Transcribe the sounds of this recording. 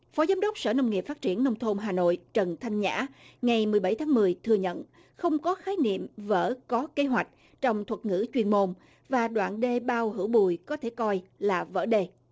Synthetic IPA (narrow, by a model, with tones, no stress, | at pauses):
fɔ˨˦zaː˨˦mɗə˦˥wk͡p̚sə̰ː˧˩n˧wŋ͡mŋi˨˩pfa˦˥t̚t͡ɕi˧˩ənːə˧wŋ͡mt̪ʰo˧mɦaː˨˩no̰˧˨jt͡ɕə˨˩nt̪ʰa˧jŋ̟ɲa̰ː˧˥ŋa˨˩jmɨ˨˩əjɓa˧˩jt̪ʰaː˨˦ŋmɨ˨˩əjt̪ʰɨ˧əɲə̰˧˨n | xə˧wŋ͡mkɔ˨˦xaː˨˦jnḭ˧˨əmvə̰ː˧˥kɔ˨˦ke˨˦ɦwa˨˩jk̟̚ | t͡ɕɔ˧wŋ͡mt̪ʰwə˨˩t̚ŋɨ̰˧˥t͡ɕwi˧ənmo˧n | vaː˨˩ɗwa̰ː˧˨nɗe˧ɓaː˧whɨ̰˧˥wɓu˨˩˨jkɔ˨˦t̪ʰe˧˩kɔ˧jlaː˨˩və̰ː˧˥ɗe˧